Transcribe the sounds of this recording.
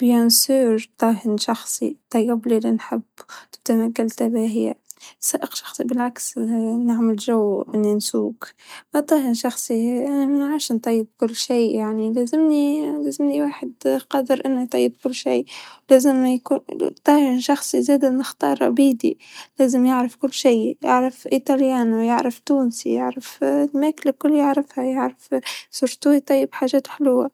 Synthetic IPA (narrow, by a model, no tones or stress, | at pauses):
b̥jansuːɾt̪ˤɑːɦɪnʃɑxsˤḭt̪ˤɑjːɪblilinħɪbːt̪ɪb̚d̪anaɡalt̪abaːɦiːa̰saːʔɪqʃɑ̥xsˤibɪlʕaksnɪʕmɪlʒawːʔɪnːinsuːkmat̪ˤɑːhɪnʃɑxsˤianamanʕaːʃnt̪ˤɑjːɪb̚kʊlːʃiːjaʕnileːzɪmnileːzɪmniwaːħɪd̪qɑːd̪ɪɾʔɪnːit̪ˤɑjːɪb̚kʊlːʃiːwleːzɪmkut̪ˤːɑːhɾʃɑxsˤizeːd̪ɪnɪxt̪ɑ̰ːɾˤʔa̰biːd̪ḭleːzɪmjɪʕɾɑfkʊlːʃiːjɪ̰ʕɾɪfʔit̪ˤɑljaːnjɪ̰ʕɾɪft̪uːnsḭjɪ̰ʕɾɪflmeːkɪlkʊlːjɪʕɾɪfhajɪʕɾafsʊɾˤt̪uːit̪ˤɑjːɪbħaːʒeːt̪ħɪlʊwːa